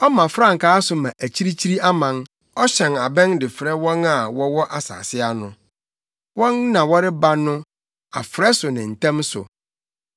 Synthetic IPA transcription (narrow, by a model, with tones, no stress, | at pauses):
ɔ˦mã˨fɾã˦˨ŋ̩˨kʰaː˦sʊ˨mã˨ʔæ˨t͡ɕʰi˦ɾi˦t͡ɕʰi˦ɾi˦a˦mã˨n | ɔ˦ɕɛ̃˨na˨bɛ̃˦ndɪ˨fɾɛ˦wɔ̃˦na˨wɔ˦wɔ˦ʔa˨sa̰ː˨sɪ˦a˨nʊ̃˨ | wɔ̃˦nːã˨wɔ˦ɾɪ˦ba˦nʊ̃˦ | a̰˨fɾɛ˦sʊ˨nɪ̃˨n̩˨tʰɛ̃˦msʊ̰˨